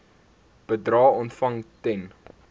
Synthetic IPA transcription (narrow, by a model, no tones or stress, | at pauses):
b̥ədrɑːɔntfɐŋtɛn